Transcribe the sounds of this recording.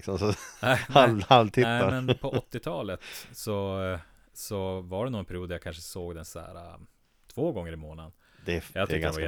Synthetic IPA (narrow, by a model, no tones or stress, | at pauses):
ksɔmsɔnænhahalvt̪ʰɪæmɛnpʰɔɔt̪ːɪt̪ʰɑːlət̪sɔ | sɔvaɖɛnuːɛnpʰæɾɪuːd̪æjakʰanʂəsoːɡd̪ɛnsæ̰ːɾa̰ | t̪ʰv̥oːɡɔŋːəɾɪmoːnad̪n | d̪ɛjat̪ɪk̪ːaɛva